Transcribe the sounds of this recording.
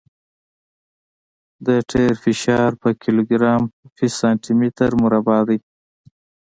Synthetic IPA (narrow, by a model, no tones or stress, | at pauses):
d̪əʈʰeɾfɪʃɑɾpəkʰiloɡɾɑmfisɑnʈimit̪əɾmuɾabɑd̪əj